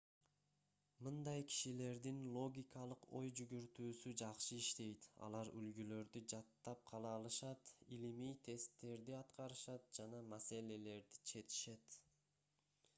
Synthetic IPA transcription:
mɯnd̪ɑjkʲʰi̥ʃile̞ɾd̪inlˠo̞ɡʲikɑlˠɯqo̞̰jd͡ʒyɡyɾt̪yːsyd͡ʒɑqʃɯiʃt̪e̞jt̪ɑ̰lˠɑɾylɡylø̞ɾd̪yd͡ʒɑt̪ːɑp̚qʰɑlˠɑːlˠɯʃɑt̪ilimijt̪ʰe̞st̪ːe̞ɾd̪iɑt̪qɑɾɯʃɑt̪̚d͡ʒɑnɑmase̞le̞le̞ɾd̪i̥t͡ʃʰe̞t̪i̥ʃe̞t̪

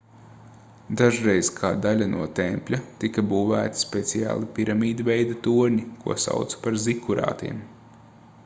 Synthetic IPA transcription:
d̪aʒɾejskʰaːd̪alʲanʔṵɔt̪ɛmpʲlʲat̪ikɐbuːvæ̰ːt̪i̥spʲet̪sija̰ːlˠipiɾamiːd̪ivʲɛjd̪at̪uɔɾɲikuɔsa̰wt̪su̥paɾzikuɾɑ̰ːt̪ḭɛm

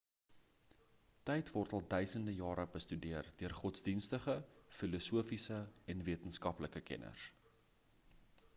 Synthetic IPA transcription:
tɛjtvɔrtɐlˠdœɥsəndəjɑːɾəbəstydiərdøərχɔtsdinstəχəfilɔsuəfisəɛnviətənskɐpləkəkɛ̰nʔə̰rs

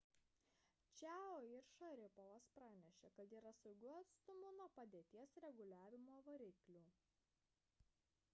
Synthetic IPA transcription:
t͡ʃʲæːoːɪɾʃɐɾʲɪpɔʋɐspɾɑːnʲɛʃʲeːkɐt̪iːɾɐsɐʊɡʲuɑːt̪st̪ʊmʊnuɔpɐd̪ʲeːt̪ʲiɛsɾʲɛɡʊlʲæːʋʲɪmoːʋɐɾʲɪklʲuː

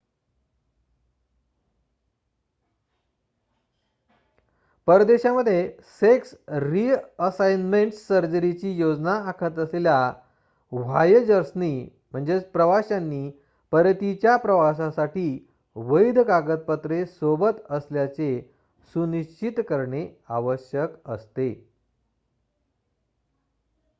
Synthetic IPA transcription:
pəɾd̪eɕaməd̪ʱːjeseksɾiəsajnmeɳʈsəɾd͡ʑəɾit͡ɕiːjod͡znaːkʰət̪əslelja | ʋ̤ajd͡ʑəɾsni | m̤əɳd͡zepɾəʋaɕanːiː | pəɾt̪it͡ɕjapɾəʋasasaʈiː | ʋəjd̪ʱkaɡət̪̚pət̪ɾesobət̪əsljat͡se | suniɕt͡ɕit̪kəɾɳeaʋəɕjəkəst̪e

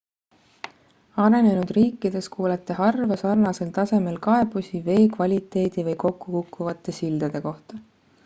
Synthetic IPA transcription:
ɑɾe̞ne̞nud̪̥riːkːˑid̪̥e̞skʰuːlet̪ːˑeɦɑrvɑsɑrnɑse̞lt̪ɑse̞me̞lkɑe̞b̥usive̞ːkvɑlʲit̪ːˑe̞ːd̪̥ivɤjko̞kːukukːuvɑt̪ːˑe̞sild̪̥ɑd̪̥e̞ko̞ht̪ɑ

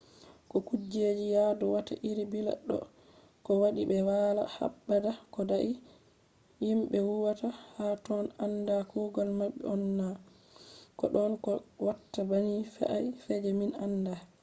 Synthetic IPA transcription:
kɔkud͡ʒed͡ʒijadɔwata̰ʔiɾibila̰ɗːɔ̰ | kɔwaɗibɛwala̰ha̰bːadakɔdaʔi | jimɓɛwuwatahatɔnandakɔɡɔlmabːɛ̰ɔnːa | kɔ̰ɗɔnkɔwatːabaɲifɛ̰ʔajfɛd͡ʒɛminanda

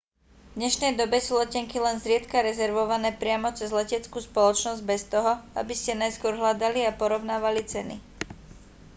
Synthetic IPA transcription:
vd̪ɲɛʃnɛjd̪ɔbɛsuːlɛcɛŋkilɛnzɾɪɛt̪kaɾɛzɛɾʋɔʋanɛːpɾɪamɔt͡sɛzlɛcɛt͡skuːspɔlɔt͡ʃnɔzɟ̚bɛst̪ɔɦɔa̰biscɛnajskʊɔɾɦlad̪aliapɔɾɔʊnaːʋalit͡sɛnḭ

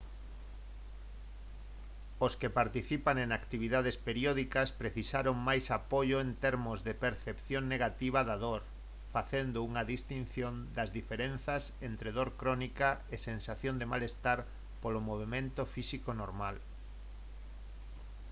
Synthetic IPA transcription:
oskepaɾt̪iθipaŋẽŋakt̪iβ̞iðað̞espeɾjoðikɐspɾeθisaɾoŋmajsapoʎoent̪eɾmʊzðepeɾθepθjoŋneɣat̪iβɐðaðoɾ | faθend̪ouŋɐðist̪inθjond̪ɐzðifeɾen̟θɐsent̪ɾeðoɾkɾɔnikaesensaθjond̪emalest̪aɾ | polomoβ̞emẽnt̪ofisikonoɾmal

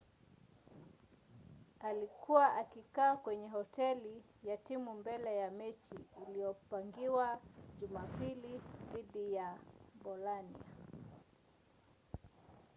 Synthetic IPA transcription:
alikʰuwaʔakikaːkwɛɲɛɦɔtɛli | jatimumbɛlɛjamɛt͡ʃiːlijɔpaŋɡiwaʄumapiliðiɗijabɔlanḭa

